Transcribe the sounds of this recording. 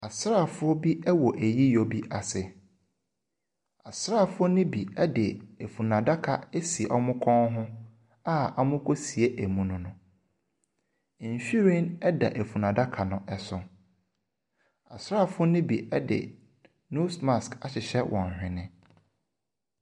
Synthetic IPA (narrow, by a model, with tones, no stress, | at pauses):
a˨sɾa˦˨fʊ˦ɔ˦bi˦ɛ˦wɔ˨ʔæ˨ji˦jo˨bi˦ʔa˨sɪ˨ | a˨sɾaː˦˨fʊ˦ɔ˦nĩ˦bi˨ɛ˦dɪ˨e˨fu˨nã˨da˦kʰa˨e˦si˨ʔɔ˦mʊ̃˦kʰɔ̃˦ŋɦʊ̃˦ | a˦a˦mʊ̃˦kʰo˦si˨e˦ʔæ˨mũ˨nʊ̃˦nʊ̃˦˨ | ɕᶣi˦ɾĩ˦nɛ˦da̰˨ʔe˨fu˨nã˨da˦kʰa˨nʊ̃˨ʔɛ˨sʊ̃˨ | a˨sɾa˦˨fʊ˦ɔ˦nɪ̃˦bi˨ʔɛ˦dɪ̰˨ | nu˦sma˨ska˨ɕɪ˨ɕɛ˦wʔɔ̃˨n˨hᶣɪ̃˨nɪ̃˦